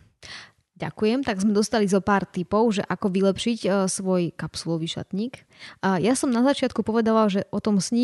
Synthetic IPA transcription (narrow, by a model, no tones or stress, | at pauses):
ɟa̰kujɛmt̪aɡzmɛd̪ɔst̪alizɔpaːɾt̪ipɔʊʒɛʔakɔʋilɛpʃicsʋɔjkapsulɔʋiʃa̰t̪ɲiːk | jasɔmnazat͡ʃɪat̪kupɔʋɛd̪aʋalʒɛʔɔt̪ɔmsɲi